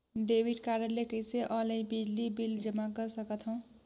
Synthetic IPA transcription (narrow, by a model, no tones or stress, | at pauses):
ɖebʱiɖkaɾjəɾlekəjseʔələ̃jbid͡ʒlibild͡ʒəmakəɾsəkət̪ɦõ